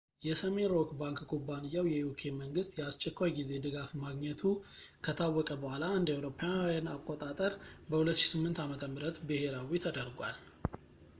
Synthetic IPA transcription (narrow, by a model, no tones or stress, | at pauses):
jɛsəme̞nɾokbaŋkkʰubːanɨjːawjɛjukʰe̞məŋɡɨst̪jɛast͡ʃʼːɛkʷːajɡize̞d̪ɨɡafmaɡɲɛt̪ʰu | kʰət̪ʰawːɔkʼəbəhʷalaɨnd̪awɾo̞pʰːjajanakʼot̪ʼat̪ʼəɾbəhulət̪ːʃi̥sɨmːɨnt̪amət̪ʰəmɨɾət̪bɨhe̞ɾawit̪ʰəd̪əɾɡʷal